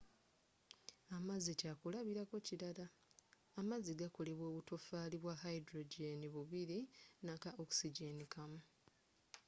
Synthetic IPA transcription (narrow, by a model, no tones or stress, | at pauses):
amazicaːkulaβiɾako̞ciɾalaː | maziɡako̞le̞βwo̞ːβuto̞faːliβwahaidɾo̞ɟeniβuβiɾinakaʔoku̥siɟe̞nikamu